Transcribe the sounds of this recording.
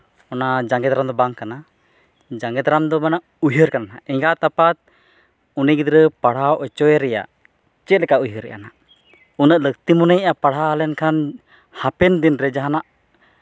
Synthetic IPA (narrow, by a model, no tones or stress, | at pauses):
ɔnad͡ʒaŋɡɛd̪aɾamd̪ɔbaŋkana | d͡ʒaŋɡɛd̪aɾamd̪ɔbanaʔ | ujɦəɾkanaaʔɛŋɡat̪apat̪̚ | unɛɡid̪ɾəpaɽ̤awʔɔt͡ʃɔɛɾɛja̰ | t͡ʃɛt̪̚lɛkaʔujɦəɾɛ̰ʔa̰naʔ | unəʔləkt̪imɔnəjʔapaɽɦaalɛnkʰan | hapɛnd̪inɾɛd͡ʒaɦanaʔ